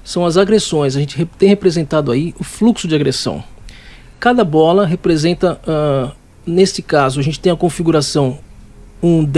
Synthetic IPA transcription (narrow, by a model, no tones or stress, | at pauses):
sɐ̃w̃ɐzaɡɾesõj̃s̬ɐʒẽnt͡ʃɪt̪ẽj̃hepɾezẽnt̪ad̪ʊaiʊfluksʊd͡ʒɪaɡɾesɐ̰̃w̃ | kad̪ɐbɔlɐɦepɾezẽnt̪ɐɛ | nest͡ʃɪkazʊaʒẽnt͡ʃɪ̥t̪ẽj̃ɐkõfiɡuɾasɐ̃w̃ | ũd̪